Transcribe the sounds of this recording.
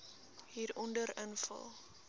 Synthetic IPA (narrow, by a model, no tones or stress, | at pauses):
ɦiːɾɔndəɾənfə̰lˠ